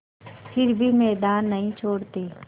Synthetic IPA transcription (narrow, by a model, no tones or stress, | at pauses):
pʰɪɾbʱimɛːd̪aːnːɐɦĩt͡ʃʰoːɽt̪eː